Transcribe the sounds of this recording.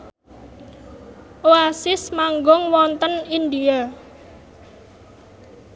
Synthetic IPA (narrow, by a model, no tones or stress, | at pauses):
ʔoasɪsmaŋɡɔŋwɔnt̪ənind̪ia